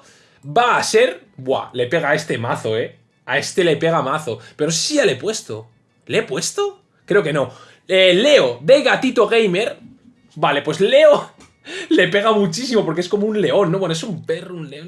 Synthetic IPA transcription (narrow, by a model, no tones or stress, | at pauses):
baːse̞ɾ | bwa̰le̞pe̞ɣae̞st̪e̞maθo̞e̞ | ae̞st̪e̞le̞pe̞ɣ̞amaθo̞pe̞ɾossialepwe̞st̪o̰ | leepwe̞st̪o | kɾe̞oke̞no̞ | ele̞od̪e̞ɣat̪it̪o̞ɣ̞ejme̞ɾ | bale̞pwe̞sle̞o | le̞pe̞ɣ̞amut͡ʃis̬imo̞p̬oɾkeesko̞mounle̞o̞nːoβwenoesumpe̞runleon